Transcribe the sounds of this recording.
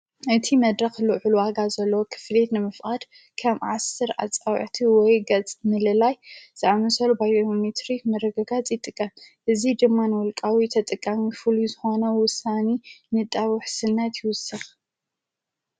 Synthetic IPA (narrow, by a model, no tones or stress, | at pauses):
ʔɨt̪ʰimɐd̪ɾɐxlɨʕuluwaɡazɐlːɐwokʰɨ̥fle̞t̪nɨmɨfʔʼad̪̥ | kʰɐβʕasɨɾa̰t͡sʼawʕt̪ʰiwɔjɡɐt͡sʼmɨlɨlajz̥ɨʕamɨsɐlubajomet̪ɾimɐɾɐɡɐɡat͡sʼjɪt̪ʼɨkʼːɐmʔɨzid̪ɨmːanɨwʊlkʼawit̪ʰɐt̪ʼɨkʼːɐmifɨluzɨxo̞nɐwʊsːanenɨt̪ʼːaβʊħsɨnːɐt̪jɪwʊsɨx